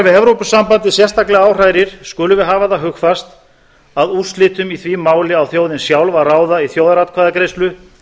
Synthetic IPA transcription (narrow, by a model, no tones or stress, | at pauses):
vɪðɛvɾowpʏsːampant̪ɪsjɛrst̪aklɛɣaaːwr̥aːjɾɪɾ̥skʏːlʏvɪðɦaːvaθaɦʏxfast̪ | aðuslɪːt̪ʏmiθvimaːwlɪawθjoːwðɪnsjawlvaðraːwðaiθjoːwðaɾat̪kʰvaːðakɾejst̪lʏ